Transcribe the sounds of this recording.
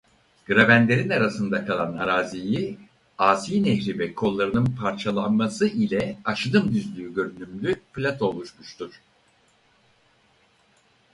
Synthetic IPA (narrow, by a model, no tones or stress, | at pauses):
ɡ̥ɯɾabænd̪ʲe̞ɾinaɾasɯnd̪akʰalˠanaɾaːziji | aːsiːnɛçɾivɛkʰo̞lˠːaɾɯnɯnpʰaɾt͡ʃʰalˠanmasɯʔilʲɛaʃɯd̪ɯmd̪yzlʲyːɟø̞ɾynymlʲyplʲat̪ʰo̞lˠuʃmuʃt̪ʰuɾ̥